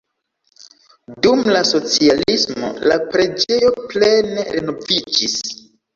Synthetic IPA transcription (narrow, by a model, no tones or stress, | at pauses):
dumlaso̞t͡sialismo̞̰la̰pɾe̞d͡ʒe̞jo̞ple̞neɾeno̞vid͡ʒis